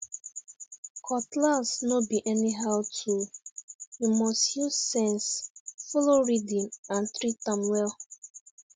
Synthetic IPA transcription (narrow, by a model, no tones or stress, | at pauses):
kʰɔtlasnobiʔɛniɦaʊtʰu | himɔstjuzːɛ̃nsfɔloɹidĩnãnθɾitãmwɛl